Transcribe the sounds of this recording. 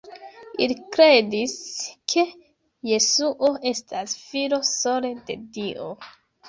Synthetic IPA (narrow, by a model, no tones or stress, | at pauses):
ilikɾe̞diskʰe̞ | je̞suʔoe̞stʰasfiɾo̞so̞le̞de̞diʔo